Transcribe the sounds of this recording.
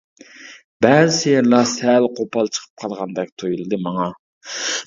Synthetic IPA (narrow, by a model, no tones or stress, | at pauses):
b̥ɛzsejɛɾlˠɑsælqʰopɑlˠt͡ʃʰə̥qʰə̥p̚qʰɑlˠʁɑnd̪ɛk̚ʲt̪ʰujulˠɨd̪ɨmɑŋɑ